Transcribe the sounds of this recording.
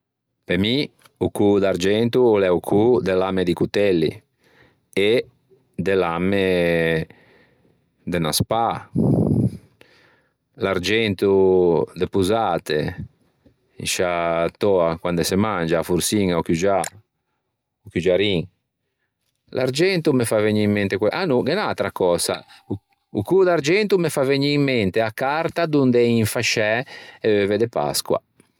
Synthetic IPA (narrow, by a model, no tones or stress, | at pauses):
pemi | ukud̪aɾd͡ʒɛnt̪uːlɛukʰud̪elamed̪ikut̪ɛlːḭ | e | d̪elame | d̪enaspa | laɾd͡ʒɛnt̪ud̪epuzat̪e | ḭʃat̪ɔːakwand̪ɛsemand͡ʒafuɾsiŋaukjud͡ʒa | ukjud͡ʒaɾiŋ | la̰ɾd͡ʒɛnt̪umefaveɲːiimːɛnt̪ekwɛʔanuɡenalt̪ɾakɔːsa̰ | ukud̪aɾd͡ʒɛnt̪umefaveɲːiimːɛnt̪eakːaɾt̪ad̪und̪ɛiɱfaʃɛɛvɛvɛd̪epa̰skwa̰